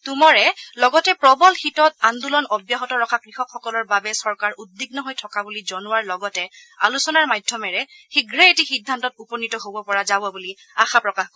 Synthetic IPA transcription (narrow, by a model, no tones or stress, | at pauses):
tumɔɹɛlɔɡɔtɛpɹɔbɔlxitɔtand̪ulɔnɔbjaɦɔtɔɹɔkʰakɹixɔkʰxɔkɔlɔɹbabɛsɔɹkaɹudːiɡnɔɦojtʰɔkabulizɔnʊwaɹlɔɡɔtɛ | alusɔnaɹmajdʱːɔmɛɹɛxiɡɹɛetixidʱːantɔtupɔnitɔɦobɔpɔɹazabɔbuli | axapɹɔkax